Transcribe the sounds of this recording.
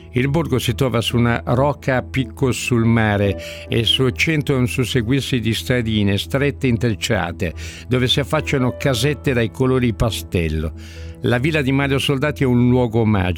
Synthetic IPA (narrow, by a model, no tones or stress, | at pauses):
ilborɡosit̪ɾɔːvasuna̰ɾɔːkːapikʰːosulmaːɾe | ḛsut͡ʃɛnt̪oonsuseɡwirsid̪ist̪ɾad̪iːnest̪ɾɛt̪ːeint̪ɾit͡ʃːa̰ːt̪ḛd̪oːvesiafːat͡ʃːanokazɛt̪ːed̪ajkʰoloːɾipast̪ɛlːo̰ | laviːlad̪imaɾjosold̪aːt̪iɛunlwɔːɡoma̰ːd͡ʒ